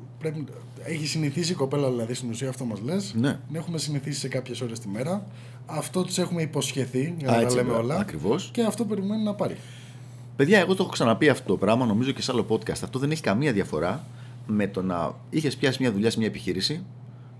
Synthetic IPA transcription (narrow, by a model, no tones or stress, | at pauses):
pɾe̞pi | eçisiniθis̬iko̞pe̞lɐðilɐðist̪inusiɐːft̪o̞mɐzle̞sne̞ne̞xume̞siniθisi̥se̞kɐpçe̞so̞ɾe̞st̪ime̞ɾɐː | ft̪o̞t̪i̥se̞xumeipo̞sçe̞θiʝɐnɐet̪ɐlemeo̞lɐɐkɾivo̞sce̞ɐft̪o̞pe̞ɾime̞nonɐpɐɾḭ | pe̞ðʝɐe̞ɣo̞t̪oxoksɐnɐpiɐft̪ot̪o̞pɾɐmɐno̞mizo̞ce̞sɐlo̞po̞t̪kɐst̪ɐft̪o̞ðe̞ne̞çi̥kɐmiɐðjɐfo̞ɾɐ | me̞t̪o̞nɐ̰ | içe̞spçɐsizmɲɐðuʎɐsimɲɐepiçiɾisi